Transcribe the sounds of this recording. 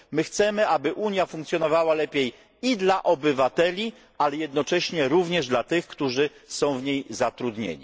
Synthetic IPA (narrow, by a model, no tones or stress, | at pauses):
mɘxt̪sɛmɘabɘʔuɲjafuŋkt̪sʲjɔnɔvawalɛpʲjej | id̪laʔɔbɘvat̪ɛlʲi | ʔalɛjɛd̪nɔt͡ʂɛɕɲɛɾuvɲɛʐd̪lat̪ɘxkt̪uʐɘsɔ̃w̃vɲejzat̪ɾud̪ɲḛɲḭ